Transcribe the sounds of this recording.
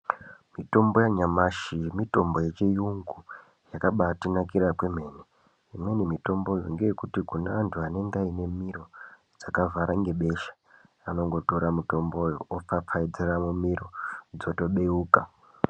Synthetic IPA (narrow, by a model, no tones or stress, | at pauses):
mito̞mbo̞jaɲamaʃiemito̞mbo̞jet͡ʃejuŋɡu | jakaɓatinakiɾakwe̞me̞ːne | imwe̞nimito̞mbo̞joŋɡe̞jekutikunaʋantʰuane̞ŋɡaine̞miɾo̞ | d͡zakavʱaɾʔaŋɡe̞ɓe̞ʃḁ | ano̞ŋɡo̞to̞ɾamuto̞mbo̞jo̰op͡fap͡faid͡zeramumiɾod͡zo̞to̞ɓe̞uːka